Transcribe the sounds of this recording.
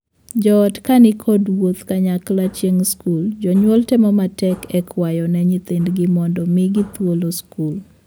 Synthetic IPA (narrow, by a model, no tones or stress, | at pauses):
d͡ʒɔːdkanɪkʰɔdwot̪kaɲaklat͡ʃjeŋskuld͡ʒɔɲwɔltɛmɔmatɛkɛkʰwajɔnɛɲɪt̪endɡɪmɔndɔmɪɡɪt̪woloskul